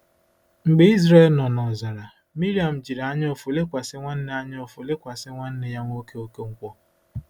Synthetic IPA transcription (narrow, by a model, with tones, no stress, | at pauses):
ŋ͡m̩˨ɡ͡be˦i˦zɾe˦lnɔ˨nɔ˨za˨ɾa˨ | mi˦ɾi˦a˨m̩˨d͡ʒi˨ɾa˦ɲ˦o˨fo˨le˦kʷa˨sɪ˦ŋʷa˦n̩˦nɪ˦a˦ɲ˦o˨fʊ˨le˦kʷa˨sɪ˦ŋʷa˦n̩˦nɪ˨ja˦ŋʷo˦ke˦o˦ke˦ŋ̩˦kʷɔ˦